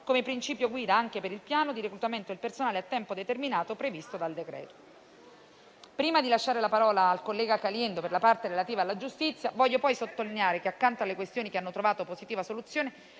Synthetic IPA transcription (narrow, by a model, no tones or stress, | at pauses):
komepɾint͡ʃiːpjoɡwiːd̪aaŋk̟epeɾilpjaːnod̪iɾekɾut̪ament̪oilpersonaːleat̪ːɛmpod̪et̪erminaːt̪opɾevist̪od̪ald̪ekɾɛ̰ːt̪o̥ | pɾiːmad̪ilaʃːaːɾelapaɾɔːlaːlkolːɛːɡakaljɛnd̪operlapart̪eɾelat̪iːvaːlːad͡ʒust̪it̪sːjavɔʎːopɔjsot̪ːolineaːɾekeakːant̪oalːekwest̪joːnikeanːot̪ɾovaːt̪opozit̪iːvasolut̪sːjoːne